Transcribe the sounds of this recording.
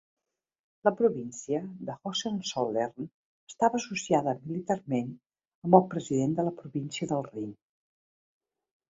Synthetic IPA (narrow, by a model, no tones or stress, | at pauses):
ləpɾuβinsiəðəxosensolern | əst̪aβəːsusiaðəmilit̪armen | əmbəlˠpɾəziðend̪ələpɾuβinsiəðəlˠrim